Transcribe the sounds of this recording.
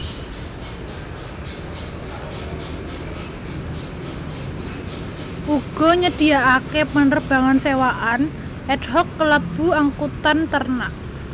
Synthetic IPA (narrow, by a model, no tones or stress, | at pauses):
ʔuɡ̥ɔ̤ɲəd̪̥i̤aʔakepənərb̥a̤ŋansewaʔan | ʔɛd̥ɦɔkːələb̥ṳaŋkut̪ant̪ərnaʔ